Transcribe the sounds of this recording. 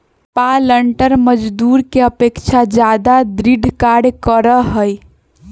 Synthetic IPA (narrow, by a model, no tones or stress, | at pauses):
paləɳʈəɾməd͡ʒd̪uɾkeəpekt͡ʃʰad͡ʒad̪ad̪ɾiɖʱkaɽkəɾəɦəj